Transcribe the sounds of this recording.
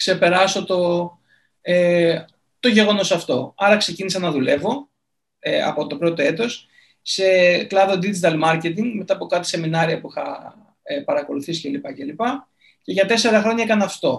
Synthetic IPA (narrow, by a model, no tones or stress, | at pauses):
kse̞pe̞ɾɐso̞t̪o̞ | e | t̪o̞ʝe̞ɣo̞no̞sɐft̪o̞̰ɐɾɐkse̞cinisɐnɐðule̞vo̞ | eɐ̰po̞t̪o̞pɾo̞t̪o̞e̞t̪o̞s | se̞klɐðo̞d̪id͡ʒit̪ɐlmɐɾce̞t̪̬iŋɡme̞t̪ɐːpo̞kɐt̪ise̞minɐɾiɐpuixɐ | epɐɾɐko̞luθisi̥ce̞lipɐce̞lipɐ | ceʝɐt̪e̞se̞ɾɐxɾo̞ɲɐekɐnɐft̪o̞